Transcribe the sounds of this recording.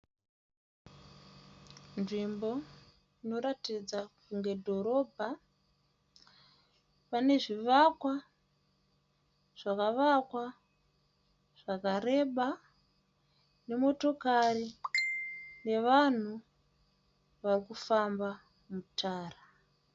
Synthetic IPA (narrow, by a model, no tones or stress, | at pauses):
nʐimbo̞ | ino̞ɾatid͡zakuŋɡe̞dʱo̞ɾo̞bʱa | pane̞ʐiʋakwa | ʐ̥akaʋakwa | ʐ̥akaɾe̞ɓa | ne̞mo̞to̞kari | ne̞ʋan̤u | ʋarikufamba | mutʰaːra